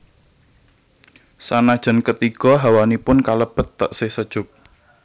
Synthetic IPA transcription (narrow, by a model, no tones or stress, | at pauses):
sanad̥ʒ̥ə̤nkət̪iɡ̥ɔ̤ɦawanipʊnkaləb̥ə̤t̪ːəʔsɪhsəd̥ʒ̥ʊk̚